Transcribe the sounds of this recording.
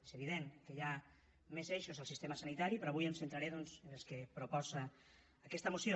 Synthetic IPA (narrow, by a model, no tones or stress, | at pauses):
ezəβ̞iðeŋkəja | mezeʃuzəlˠsist̪eməsanit̪aɾipɾɔβujəmsẽnt̪ɾaɾeðɔnzənəlˠskepɾupɔzaː | kɛst̪əmusjo